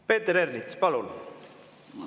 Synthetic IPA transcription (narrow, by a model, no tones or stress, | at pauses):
peːt̪eɾernit̪spɑlun